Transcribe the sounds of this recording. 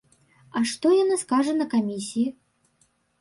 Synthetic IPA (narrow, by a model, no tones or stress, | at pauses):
ɐʂt̪ɔjanaskaʐɐnɐkamʲisʲiji